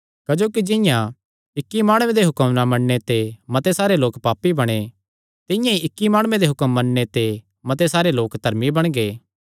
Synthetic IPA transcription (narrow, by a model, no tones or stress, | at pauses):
kɐd͡ʒoːkid͡ʒɪ̃jã | ɪkːimaːɽ̃ʊwẽd̪eɦʊkəmnamɐɽnet̪emɐt̪esaːɾeloːkpaːpːibɐɽ̃e | t̪ɪjãiʔɪkːimaːɽ̃ʊwẽd̪eɦʊkəmːɐnnet̪e | mɐt̪̬esaːɾeloːkd̪ʱɐɾmibɐɽ̃ɡeː